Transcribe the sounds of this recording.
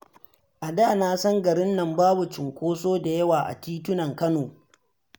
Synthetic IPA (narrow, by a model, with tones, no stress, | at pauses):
ʔa˨daː˦˨naː˦sɐ˦ŋɡɐ˨ɾɪ˦nːɐ˨mbaː˦bu˨t͡ʃɪ˨ŋkʷoː˦soː˦da˨jɐ˦waː˨ʔa̰˨tiː˦tʊ˦nɐ˨ŋkɐ˦noː˨